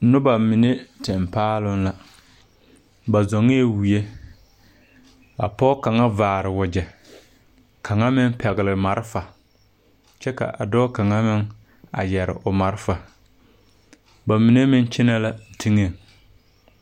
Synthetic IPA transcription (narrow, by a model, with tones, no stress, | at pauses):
nʊ˦ba˨mi˨ne˦tɛ˨mpaː˦lʊ˦nla˨ | ba˨zɔ˨ŋe˦˨wi˨e˦ | a̰˨pɔ˦ka˨ŋa˦vaː˨ɾɪ˨wʊ˨d͡ʒɛ˨ | kʰa˨ŋa˦mɪ˦ŋ˦pʰɛ˨ɣɪ˨lɪ˨ma˨ɾɪ˦fa˨ | t͡ʃɛ˦ka̰˨ʔa˨dɔ˦ka˨ŋa˦mɪ˦ŋ | a̰˨jɛ˨ɾɪ̰˨ʔʊ˨ma˨ɾɪ˦fa˨ | ba˨mi˨ne˦mɪ˦n˦t͡ʃɪ˦na˦la˨tʰi˦ŋe˦˨ŋ